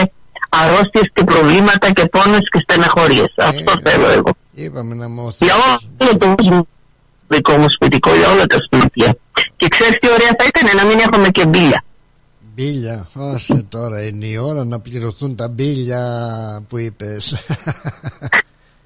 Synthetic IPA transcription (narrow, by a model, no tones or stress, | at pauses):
e | ɐɾo̞st̪iesce̞pɾo̞vlimɐt̪ɐce̞fo̞nescest̪enɐxo̞ɾʝe̞̰sɐ̰ft̪o̞θelo̰ḛɣo̞̰ | ipɐmenɐmoθʝɐolot̪oozm | ðikomuspit̪ikoʝɐolet̪ɐsp̪imt̪ɐ | ce̞kseɾist̪io̞ɾeɐθɐit̪ɐnenɐmine̞xome̞ce̞biʎɐ | biʎɐosit̪oɾɐineioɾɐnɐpliɾoθunt̪ɐbiʎɐpuipes